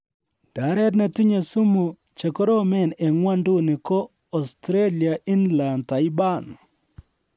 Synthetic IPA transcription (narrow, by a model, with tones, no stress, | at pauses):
d̥a˨˦ɾɛ˦t̬ne˨ti˦ɲe˨su˦mu˨ | t͡ʃe˨ko˦ɾo˦mɛ˦˨ne˨ŋwa˦ndu˦nɪ˨kɔ˦ | ɔ˨stɾe˦lia˨ʔi˦nla˨nta˨ji˦ba˦˨n